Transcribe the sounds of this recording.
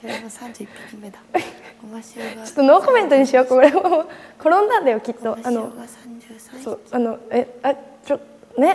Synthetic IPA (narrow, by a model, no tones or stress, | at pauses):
t͡ɕo̥t̪ːonoːko̞mẽ̞nt̪o̞ɲ̟iɕijoːkooɾemoko̞ɾõ̞nd̪ãnd̪ajokʲit̪ːo̞ano̞ | soano̞eat͡ɕo | ne̞